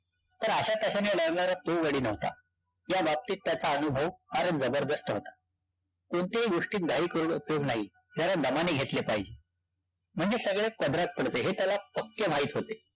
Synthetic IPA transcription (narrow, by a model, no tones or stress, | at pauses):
t̪əɾəɕat̪əɕaneləɽɳaɾat̪oʋəɽiːnəɦʋt̪a̰ | jabap̚t̪iːt̪ːjat͡saənubʱəʋhaɾəd͡zəbəɾd̪əst̪əɦot̪ḁ | kuɳt̪eiɡoʂʈiːt̪̚d̪ʱaɦiːkəɾuːɳupjoɡnaɦi | t̪jaɾad̪əmaneɡʱet̪lepaɦid͡ʑe | m̤əɳd͡zesəɡɭakəd̪ɾat̪̚pəɽt̪eɦet̪jalapəkːeʋ̤ʱaɦiːt̪ɦot̪e̥